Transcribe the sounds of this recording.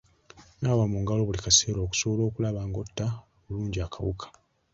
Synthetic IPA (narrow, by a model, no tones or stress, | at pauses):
naːwamuŋɡalo̞βulikase̞ːɾoːku̥so̞βolo̞ːkulaβaːŋɡo̞tːaoβuluːɲɟiakaβukʰḁ